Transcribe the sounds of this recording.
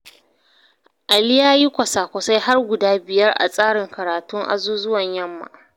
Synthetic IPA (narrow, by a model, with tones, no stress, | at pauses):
ʔa˨lɪ˦jaː˦ji˦kʷɐ˨sa˨kʷɐ˨sa˦jɦa˦rɡʷʊ˨daː˦bɪ˨jɐ˦rʔa̰˨sʼaː˦ɽɪ˨ŋkɐ˨ɾaː˨tʊ˦ŋʔa̰˨zuː˦zʊ˦wɐ˨ɲjɐ˦mːa̰˨